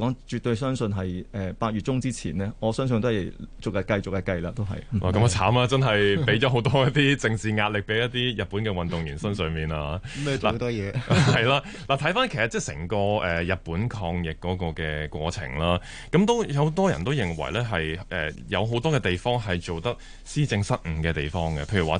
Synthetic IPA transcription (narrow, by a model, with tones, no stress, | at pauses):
kɔː˨˥ŋt͡ʃyː˨t̪o˧ɥsœː˥ŋsɵ˧nɦɐ˨jɛ˨paː˧t̚ɥyː˨t̚t͡sʊ˥ŋt͡siː˥t͡sʰiː˨˩nɛː˥ŋɔː˨˧sœː˥ŋs̬ɵ˧nt̪o˥ht͡sʊ˨kjɐ˨˩kɐ˧jt͡sʊ˨k̚jɐ˧kɐ˧jlaː˧t̪o˥wɦɐ̰˨jlaː˨˩kɐ˧m˨˧t͡sʰa̰ː˨˥maː˥˧t͡sɐ˥nɦɐ˨jpe˨˥jɔ˨˦˥ɦo˨˥wt̪ɔː˥jɐ˥t̪iː˥t͡sɪ˧ŋt͡siː˨ŋaː˧t̚lɪ˨k̚pe˨˥jɐ˥t̪̚iː˥jɐ˨t̚pːuː˨˥nkɛː˧wɐ˨nt̪ʊ˨ŋjyː˨˩nsɐ˥nsœː˨˩ŋmiː˨naː˧la̰˨t̪ɔ˥jɛː˨˧hɐ˨jlaː˧˥ | laː˨˩t̪ʰɐ˨˥jfaː˥nkʰe˨˩sɐ˨t̚t͡sɛː˥˩sɛ̰ː˨˩ŋkɔː˧ɛː˨jɐ˨t̚puː˨˥nkʰɔː˧ŋjɪ˨kːɔː˨˥kɔː˧kɛː˧kʷɔː˧t͡sʰɪ̰˨˩ŋlaː˥ | kɐ˨˥mt̪o˥wjɐ˨˧wt̪ɔː˥jɐ˨nt̪o˥wjɪ˨˩ŋwɐ̰˨˩jlɛː˥ɦɐ˨jʔɛ̰ː˨jɐ˨˧wɦo˨˥wt̪ɔː˥kɛː˧t̪e˨jfɔː˥ŋɦɐ˨jt͡ʃo˨wt̪ɐ˥k̚ | siː˥t͡sɪ˧ŋsɐ˥t̚m̩˨˩kɛː˧t̪e˨˩jfɔː˥ŋɡɛ˧pʰe˧jy˨˩waː˨